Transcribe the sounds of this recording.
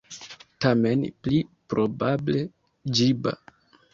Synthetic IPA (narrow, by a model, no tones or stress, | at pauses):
tame̞nplipɾʔobable̞ | d͡ʒiba̰